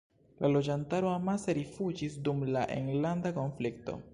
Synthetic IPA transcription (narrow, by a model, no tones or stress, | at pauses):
lʔalo̞d͡ʒantaɾoamaseɾifud͡ʒisdumlaʔḛŋɡlandako̞nflik̚to̞̰